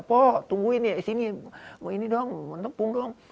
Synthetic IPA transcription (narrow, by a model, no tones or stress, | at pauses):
pɔt̪uŋɡuinjaisiniminidɔŋant̪ɔpuŋdɔŋ